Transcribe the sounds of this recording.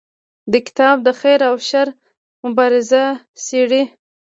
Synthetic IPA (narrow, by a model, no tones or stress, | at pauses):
d̪əkɪ̥t̪ɑb̚d̪əxeɾawʃaɾ | mʊbɑɾɪza | siɽi